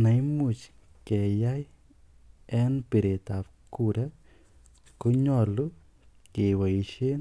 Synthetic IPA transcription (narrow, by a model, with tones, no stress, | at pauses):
na˨i˦mu˨t͡ʃ | kɛ˨ja˦j | ɛ˦npe˨ɾe˨t̪a˨pku˦ɾa˦ | ko˦ɲɔ˦˨lʊ˦ | ke˨wa˨i˨ʃe˦n